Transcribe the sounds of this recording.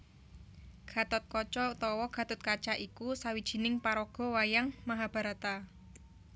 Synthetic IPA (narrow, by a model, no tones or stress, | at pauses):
ɡ̥a̤t̪ɔt̪̚kɔt͡ʃɔut̪ɔwɔɡ̥a̤t̪ʊt̪̚kat͡ʃaʔikusawid̥ʒ̥i̤nɪŋpaɾɔɡ̥ɔ̤wajaŋmaɦab̥a̤ɾat̪a